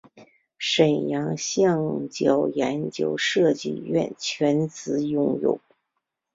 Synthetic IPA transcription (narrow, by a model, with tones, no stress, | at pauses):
ʂə˨˩njɑ˧˥ŋɕjɑ˥˩ŋt͡ɕjɑ˨˩ʊjɛ˧˥nt͡ɕjo˧˥ʊʂɤ˥˧t͡ɕḭ˥˧ɥɛ̰˥˩nt͡ɕʰɥɛ˧˥nt͡sɹ̩˧˥˦jʊ˥˧ŋjʊ̰˥˩ʊ